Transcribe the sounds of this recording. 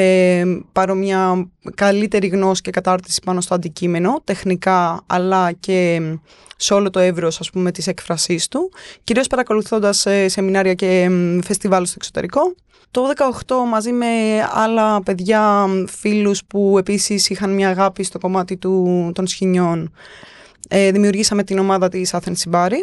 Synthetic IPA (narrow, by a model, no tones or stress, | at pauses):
epɐɾo̞mɲɐkɐlit̪e̞ɾiɣno̞si̥ce̞kɐt̪ɐɾt̪i̥si̥pɐno̞st̪oɐnd̪icime̞no̞t̪e̞xnikɐɐlɐce̞ | seo̞lo̞t̪oevɾosɐspume̞t̪ise̞kfɾɐsist̪uciɾiospɐɾɐko̞luθo̞nd̪ɐsese̞minɐɾiɐce̞fe̞st̪ivɐlst̪oekso̞t̪e̞ɾiko̞ | t̪ouðe̞kɐoxt̪o̞mɐzime̞ɐ̰lɐpe̞ðʝɐfiluspue̞pisisixɐnmɲɐːɣɐpist̪o̞ko̞mɐt̪it̪ut̪o̞nsçiɲo̞n | eðimiuɾʝisɐme̞t̪ino̞mɐðɐt̪isɐθensibɐɾi